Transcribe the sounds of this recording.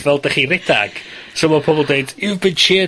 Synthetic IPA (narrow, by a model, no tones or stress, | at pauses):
vɛlˠd̥aχirɪd̥a̰ɡ̥ | sɔmɔpʰɔbɔlˠdeɨdɪbɪd̥t͡ʃʰeː